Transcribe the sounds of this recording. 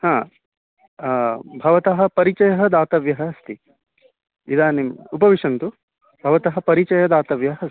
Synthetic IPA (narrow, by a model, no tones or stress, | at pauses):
hãː | bʱɐʋɐt̪ɐɦɐ̆pɐɾit͡ʃɐjɐɦɐd̪aːt̪ɐʋjɐɦɐ̆ɐst̪i | id̪aːnimupɐʋiʂɐnt̪u | bʱɐʋɐt̪ɐɦɐ̆pɐɾit͡ʃɐjɐd̪aːt̪ɐʋjɐɦɐɐs